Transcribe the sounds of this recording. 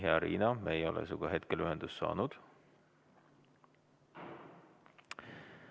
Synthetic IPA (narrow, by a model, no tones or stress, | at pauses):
ɦeɑɾḭːnɑmeejo̞lʔḛsuɡ̥ɑɦe̞t̪kelyɦend̪̥ust̪ːɑ̰ːnud̪̥